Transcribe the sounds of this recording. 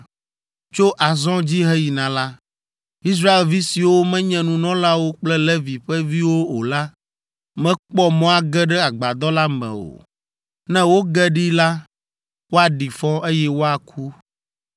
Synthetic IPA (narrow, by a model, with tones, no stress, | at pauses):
t͡ʃo˦ʔa˨zɔ̃˦d͡ʑi˦ɦɛ˦ji˨nã˨la˦ | i˦s̬ɾa˦e˨lvi˦si˨wo˦mɛ̃˦ɲɛ̃˨nũ˨nɔ̃˦la˦wo˦k͡plɛ˦lɛ˦vi˨ɸɛ˦vi˦wo˦o˨la˦ | mɛ̃˦k͡pɔ˦mɔ̃˦a˨ɡɛ˦ɖɛ˦a˨ɡ͡ba˨d̪ɔ˦la˦mɛ̰̃˨o̰˨ | nɛ̃˦wo˦ɡɛ˦ɖi˦la˦ | wo˦a˨ɖi˨fɔ˦ʔe˦jɛ˦wo˦a˨kʰu˦